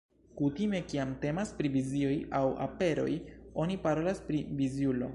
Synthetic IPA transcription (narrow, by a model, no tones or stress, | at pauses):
kutime̞kiamte̞maspɾivizio̞jawa̰pe̞ɾo̞̰jo̞nipaɾo̞laspɾivizjulo̞̰